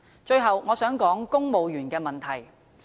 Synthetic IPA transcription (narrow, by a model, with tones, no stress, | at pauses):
t͡ʃɵ˧ɥɦɐ˨wŋɔː˨˧sœː˨˥ŋkɔː˨˥ŋkʊ˥ŋmo˨˧wjyː˨˩nkɛː˧mɐ˨nt̪ʰɐ˨˩j